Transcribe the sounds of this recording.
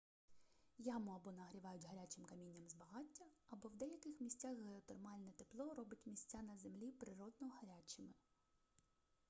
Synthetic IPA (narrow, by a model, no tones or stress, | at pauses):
jamʊɐbɔnɐɦɾʲiʋɑjʊtʲɦɐɾʲat͡ʃɪmkɐmʲinʲːɐmzbɐɦɑtʲːɐɐbɔwd̪ɛjɐkɪxmʲisʲt͡sʲaxɦeɔt̪ɔrmɑlʲnɛt̪eplˠɔɾɔbɪtʲmʲisʲt͡sʲanɐzemlʲipɾɪɾɔd̪nɔɦɐɾʲat͡ʃɪmɪ